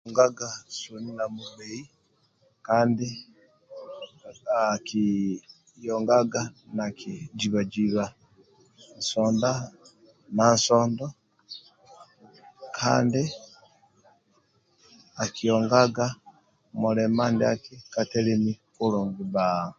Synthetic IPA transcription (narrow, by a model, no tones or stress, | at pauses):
ŋɡaɡasoninamuβei | kaːndi | aki | jɔŋɡaɡanakid͡ʒiβad͡ʒiβa | nsɔnda | nansɔːndɔ | kʰaːndi | akijɔŋɡaɡa | mulɛmandeakikatɛlemikoloŋɡiba